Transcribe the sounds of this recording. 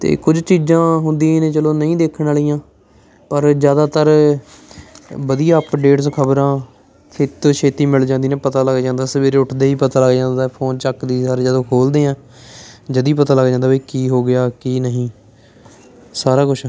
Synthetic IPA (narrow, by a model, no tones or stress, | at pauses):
t̪ḛːkʊd͡ʒt͡ʃiːzãːɦʊnd̪ĩãːnẽːt͡ʃəloːnəĩːd̪eːkʰənaːliːãː | pəɾd͡ʒjaːd̪aːt̪əɾ | bəd̪ijaːpɖeːʈskʰəbɾãː | kʰɪt̪oʃʰeːt̪iːmɪld͡ʒãːnd̪iːneːpət̪aːləɡd͡ʒãːnd̪aːsəʋeːɾeːʊʈʰd̪eːiːpət̪aːləɡd͡ʒãːnd̪aːɛpʰoːnt͡ʃəkd̪iːsaɾed͡ʒaːd̪õːkʰoːld̪eːãː | d͡ʒəd̪iːp̬ət̪aːləɡd͡ʒãːnd̪aːbiːkiːɦoːɡɪjaːkiːnəɦĩː | saːɾaːkʊt͡ʃʰː